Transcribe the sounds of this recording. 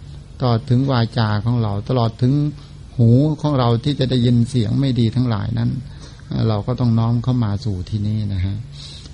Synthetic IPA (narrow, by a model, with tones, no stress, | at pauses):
t̪alɔː˨˩t̪ʰːɯ˩˦ŋwaː˧t͡ɕaː˧kʰɔː˩˦ŋɾa˧wt̪a˧lɔː˨˩t̪ʰːɯ˩˦ŋ | huː˩˦kʰɔː˩˦ŋɾa˧wt̪ʰiː˥˩t͡ɕa˨˩da˥˩jːi˧nsi˩˦əŋma˥˩jdiː˧t̪ʰa˦˥ŋɾa̰ː˨˩˦jna˦˥˩n | ʔaː˧˩ɾa˧wkɔː˥˩t̪ɔ˥˩ŋnɔː˦˥mkʰa˥˩wmaː˧suː˨˩t̪ʰiː˧˩niː˥˩na˦˥kʰa˦˥ʔ